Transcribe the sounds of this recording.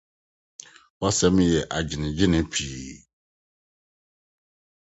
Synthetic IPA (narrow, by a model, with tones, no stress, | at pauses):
wa˦sɛ˦m˦jɛ˨ʔa˨d͡ʑɪ˨nɪ̃˨d͡ʑɪ˦nɪ̃˦pʰiː˨